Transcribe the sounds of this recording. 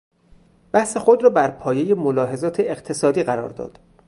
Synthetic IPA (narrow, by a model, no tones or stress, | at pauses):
b̥æhse̞xo̞d̪rɒːbæɾpʰɒːje̞jemolɒːɦe̞zɒːt̪ʰeːqt̪ʰe̞sɒːd̪iːɣæɾɒ̰ːɾd̪ɒ̰ːd̪̥